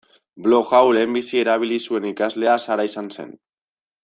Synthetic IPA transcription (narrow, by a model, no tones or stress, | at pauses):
bloxawlembisieɾaβ̞ilisuenikazleasaɾajsansḛn